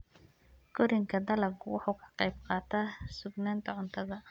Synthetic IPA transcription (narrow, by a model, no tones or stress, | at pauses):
ɡɔɾɪŋkʰɐd̪ɐlɐkʰʊwɑħuːkʰɐ̥qɑjb̚qɑːt̪ʰasʊɡnaːnt̪ʰɐʕʊnt̪ʰɐðɐ